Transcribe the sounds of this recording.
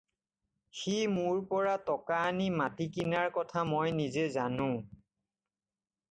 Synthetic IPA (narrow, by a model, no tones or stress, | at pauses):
ximʊɹpɔɹatɔkaːnimatikinaɹkɔtʰamojnizezanʊ̃